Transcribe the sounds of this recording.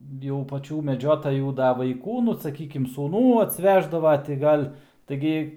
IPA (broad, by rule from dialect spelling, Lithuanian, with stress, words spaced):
jɛʊ pɐˈt͡ʃʲuː mʲɛˈd͡ʒʲoːtɐjuː ˈdɐ ʋɐɪˈkuː ˈnʊ sɐˈkʲiːkʲɪm suːˈnuː ɐtʲsʲˈʋʲæːʒdɐʋɐ tʲɪ ˈɡɐlʲ tɐɪˈɡʲɪ